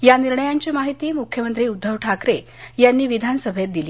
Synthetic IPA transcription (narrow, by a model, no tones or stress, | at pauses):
janiɾɳəjaɲt͡ɕiːmaɦit̪iːmukʰjəmənt̪ɾiːud̪ʱːəʋʈʰakɾe | janːiːʋid̪ʱanəsəbʱet̪̚d̪ili